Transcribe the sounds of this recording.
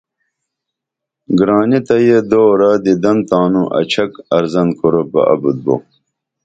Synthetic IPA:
ɡɾaːnit̪ɐjed̪oːɾɐd̪id̪ɐnt̪aːnuʔɐ̰t͡ɕʰɐkɐɾzɐnkoɾopɐ̰ʔɐ̰bud̪̚bo̰ː

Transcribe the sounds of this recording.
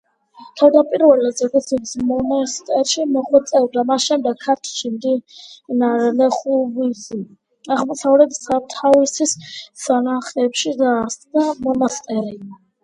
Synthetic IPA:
t̪ʰavd̪apʼiɾvɛlɛd̪zɛkusʰit̪smɔnast̪ʼɛɾʃimɔχwɛt̪sʼɛɾd̪amasʃɛmd̪ɛɡ̚kʰːaɾt̪ʰʃimd̪inaɾlɛχuvizi | aʁmɔsavɾɛd̪sat̪ʰavisissanaχɛpʃid̪aɾsʼd̪amɔnast̪ʼɛɾi

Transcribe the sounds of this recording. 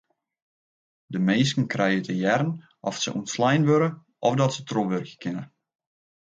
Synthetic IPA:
dəmejskən̩krɛjətʰəjɛɾən | ʔɔfsə̰ʔṵntslɛjnʋøɾə | ʔɔfdɔtsətʰroʋørkəkɪnə

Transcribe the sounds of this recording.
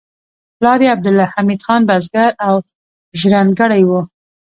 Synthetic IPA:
plɑɾeab̚d̪ɪlːɑhamid̪xɑnbazɡaɾaw | ʒɾanɡaɽajwu

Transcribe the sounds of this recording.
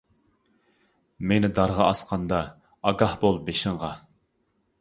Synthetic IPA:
menɪd̪ɑɾʁɑɑsqʰɑnd̪ɑː | ɡɑhbolˠbeʃɪɴʁɑ

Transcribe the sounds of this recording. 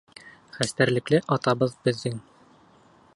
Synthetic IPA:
χæst̪æɾlɘ̆klɘʔɒt̪ɑbɤðbɘ̆ðːɘŋ

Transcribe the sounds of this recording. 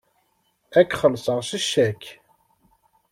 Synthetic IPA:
ækχəlsˤəʁʃəʃːæk

